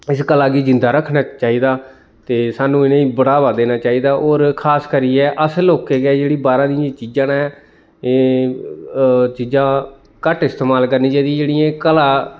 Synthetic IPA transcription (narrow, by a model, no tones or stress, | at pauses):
ɪskəlaːɡiːd͡ʒɪ̃nd̪aːɾəkʰnaːt͡ʃaːiːd̪aː | t̪eːsaːnũːɪnẽːĩːbəɽaːʋaːd̪eːnaːt͡ʃaːiːd̪aːʔoːɾkʰaːskəɾiːɛːʔəsloːkːeːɡɛːd͡ʒeːɽiːbaːɾãːd̪ijãːt͡ʃiːd͡ʒãːɛː | t͡ʃiːd͡ʒãː | kəʈɪst̪eːmaːlkəɾniːt͡ʃed̪ĩːd͡ʒeːɽiːãːkəlaː